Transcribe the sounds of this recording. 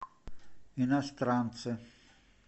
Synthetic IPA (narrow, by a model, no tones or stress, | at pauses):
inast̪ɾanse